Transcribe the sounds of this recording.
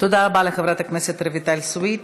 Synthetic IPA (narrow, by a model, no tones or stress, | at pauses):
t̪od̪abalɛxəvɾat̪əkmɛsɛt̪ɾəvit̪alʲsuit̪